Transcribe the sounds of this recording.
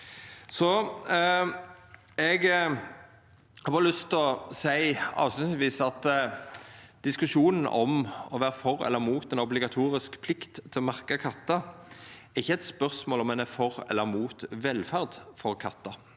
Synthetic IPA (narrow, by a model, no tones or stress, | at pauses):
sɔ | ɛɡ | hɑːbɑːɾlʏst̪ɔsæɪɑ̰ːʋst̪ʉnʋiːsɑt̪ | d̪̥ɪskʉʂuːnn̩ʔɔ̰mɔʋæːʁəfɔɾɛ̰lːəɾmuːt̪ɛnɔblɪɡɑt̪ʰuːɾɪskpʰlɪkt̪ʰːɪlɔmɑʁkɑkʰɑt̪ːɑ | ɛʁɪçːəɛt̪spœʁsmoːlɔmɛnæfɔɾɛ̰lːəɾmuːt̪ʋɛlfæʁd̪fɔʁkʰɑt̪ːɑ